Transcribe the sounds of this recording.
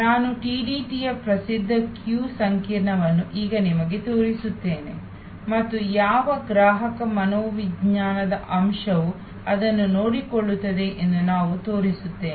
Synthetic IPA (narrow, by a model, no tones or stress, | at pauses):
naːnuʈiːɖiːʈijɐpɾɐsid̪ʱːɐkjuːsɐŋkiːɾɳɐʋɐnːuʔiːɡɐnimɐɡe̞t̪oːɾisut̪ːe̞ːne̞ | mɐt̪ːujaːʋɐɡɾaːɦɐkɐmɐnoːʋiɡɲaːnɐd̪ɐʔɐmʃɐʋu | ɐd̪ɐnːunoːɽikɔɭːut̪ːɐd̪e̞ʔend̪unaːʋut̪o̞ːɾisut̪ːeː